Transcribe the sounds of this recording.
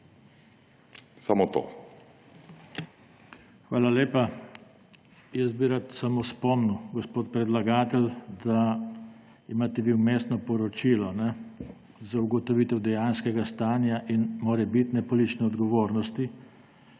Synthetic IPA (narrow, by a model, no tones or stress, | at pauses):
samot̪o̰ | xʋaːlaleːpa | jəsbiɾat̪samospɔmnuwɡɔspoːt̪̚pɾɛd̪laɡaːt̪ɛld̪a | imaːt̪ɛʋiwmeːst̪nɔpɔɾɔt͡ʃiːlɔnɛ | zauɡɔt̪ɔʋiːt̪ɛwd̪ɛjaːnskɛɡast̪aːnjaʔinmoːɾɛbit̪nɛpɔlit͡ʃnɛɔd̪ɡɔʋoːɾnɔst̪i